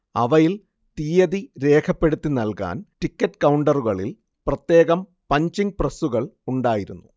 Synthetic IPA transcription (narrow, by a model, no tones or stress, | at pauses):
ɐ̰ʋɐjil | t̪iːjɐðiɾe̞ːkʰɐpːe̞ɽut̪ːinɐlka̰ːnʈikːɐʈːkɐwɳɖɐruɣɐɭil | prɐt̪je̞ːɣɐm | pɐɲt͡ɕiŋɡ̚prɐsuɣɐɭuɳɖaːjiɾunːu